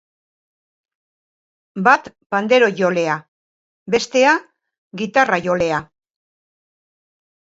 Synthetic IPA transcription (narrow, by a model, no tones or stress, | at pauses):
bat̪ | pand̪e̞ɾo̞ʝo̞le̞a | be̞st̪e̞a | ɡit̪araʝo̞le̞a